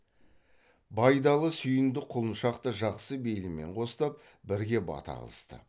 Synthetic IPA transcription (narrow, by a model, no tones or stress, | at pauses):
bɑjd̪ɑlˠəsʏjɪnd̪ɪqʰʊlˠənʃɑqt̪əʒɑqsəbe̞jlɪmːe̞̰ɴqʰo̞st̪ɑp̚ | bɪɾɡʲe̞bɑ̰t̪ɑ̰ɑ̰lˠəst̪ə̰